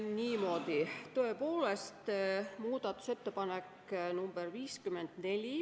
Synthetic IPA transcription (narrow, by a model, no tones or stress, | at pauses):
niːmo̞ːd̪̥it̪ø̞epo̞ːlest̪muːd̪̥ɑt̪ːˑu̥se̞t̪ːe̞pɑnek | numb̥erviːskymend̪̥ne̞lʲi